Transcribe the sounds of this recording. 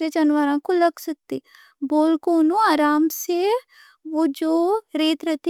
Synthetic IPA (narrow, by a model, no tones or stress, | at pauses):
eːd͡ʒənʋaːɾãːkũləɡsək̚t̪eː | boːlkoːnũːaːɾaːmseː | oːd͡ʒoːɾeːt̪ɾət̪ː